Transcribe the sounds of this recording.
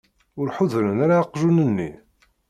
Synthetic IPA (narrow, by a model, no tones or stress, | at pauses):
ʊɾħʊðɾənaɾaqʒunənːḭ